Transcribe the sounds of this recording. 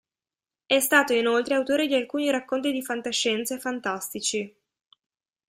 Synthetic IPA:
ɛst̪aːt̪oinolt̪ɾeawt̪oːɾed̪ialkuːniɾakːont̪̬id̪ifant̪aʃːɛnt̪sefant̪ast̪it͡ʃi

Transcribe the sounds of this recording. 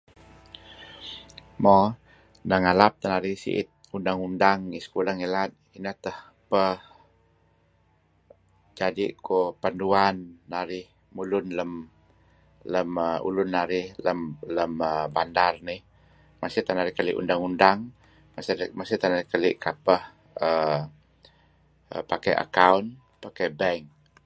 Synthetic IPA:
mɔ | naŋalap̚t̪ənaɾihsḭʔɪ̰t̪̚undaŋundaŋiskulaŋelat̪̚inət̪əh | pəh | d͡ʒadiʔkopanduanːaɾɪh | mulʊnləm | ləməṵlʊnːaɾɪhləmləməbandarnih | masɪt̪anaɾihkalḭʔṵndaŋundaŋ | masmasit̪ahnaɾikəlḭʔkapəh | ə | ə̰pakajʔa̰kawn | pakɛbɛŋ

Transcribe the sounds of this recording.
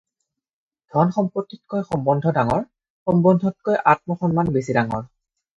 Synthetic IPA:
d̥ʱɔnxɔmpotːit̚kojxɔmbɔndʱɔdaŋɔɹ | xɔmbɔndʱɔt̚kojʔat̚mɔxɔnmanbesidaŋɔ̰ɹ

